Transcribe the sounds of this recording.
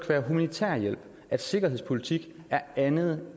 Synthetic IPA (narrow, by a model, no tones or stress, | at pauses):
ɡ̥ʰʋæːɐɦumænit͡sʰæ̰ɐ̰jel̰b̥ | æd̥se̝ɡ̥ɐɦe̝ð̞̰ˠspʰo̝lit͡sʰiɡ̥æɐænð̞̩ˠ